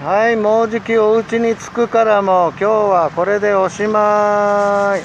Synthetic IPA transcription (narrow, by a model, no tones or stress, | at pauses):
haimo̞ːʑikʲio̞ɯ̟t͡ɕiɲ̟it͡sɨ̥kɯ̟kaɾamo̞kʲo̞ːβako̞ɾe̞d̪e̞o̞ɕima